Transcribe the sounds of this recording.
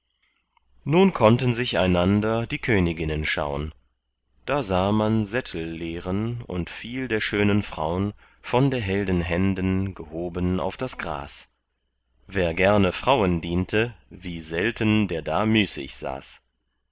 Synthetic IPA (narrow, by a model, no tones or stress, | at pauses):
nuːnkʰɔntən̩zɪça̰ɪnandɐdiːkʰøːnɪɡɪnənʃa̰ʊən | d̥aːzaːmanzɛtʰl̩ːeːʁənʊ̰ntfiːldeːɐʃøːnənfʁ̥a̰ʊən | fɔndeːɐɦɛldən̩ɦɛndənɡəhoːbəna̰ʊfd̥asɡ̥ʁa̰ːs | veːɐɡɛɐnəfʁ̥aʊəndiːntʰəviːzɛltʰəndeːɐdaːmyːsɪ̰çz̥a̰ːs